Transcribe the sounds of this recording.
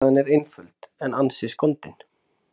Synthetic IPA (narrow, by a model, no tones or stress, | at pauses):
ðɪnɛɾejnfʏlt̪ɛnansɪskɔnt̪ɪn̥